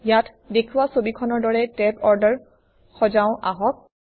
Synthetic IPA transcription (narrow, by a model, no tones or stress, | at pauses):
jatʰ | dekʰuwasobikʰɔnɔɹdɔɹɛtɛpɔɹdəɹ | xɔzaʊ̃ʔaɦɔk̚